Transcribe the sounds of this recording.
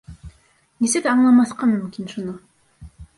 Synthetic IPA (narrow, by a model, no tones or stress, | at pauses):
nʲesed̪ɑɴlˠɑmɑθqɑmʏmkʲinʃunʊ